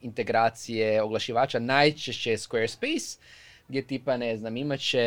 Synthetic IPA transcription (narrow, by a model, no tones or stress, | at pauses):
int̪e̞ɡɾaːt̪sijeoɡlˠaʃiʋaːt͡ʃanajt͡ʃeʃt͡ɕejeskʋeːɾspes | ɡdʲjet̪iːpaneznamimat͡ɕe